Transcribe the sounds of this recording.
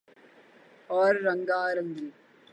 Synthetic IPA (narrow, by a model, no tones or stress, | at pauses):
ɔːɾːɐŋɡaːɾɐŋɡil